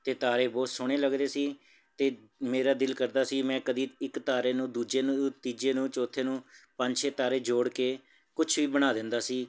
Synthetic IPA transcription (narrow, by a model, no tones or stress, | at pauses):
t̪eːt̪aːɾeːbɔːt̪sʊɽ̃eːləɡd̪eːsiː | t̪eː | meːɾaːd̪ɪlkəɾd̪aːsiːmɛ̃ːkəd̪iːɪkt̪aːɾeːnũːd̪uːd͡ʒeːnũt̪iːd͡ʒeːnũːt͡ʃoːt̪ʰeːnũːpəɲd͡ʒʃeːt̪aːɾeːd͡ʒoːɽkeː | kʊt͡ʃʰʋiːbəɽ̃aːd̪ɪ̃nd̪aːsiː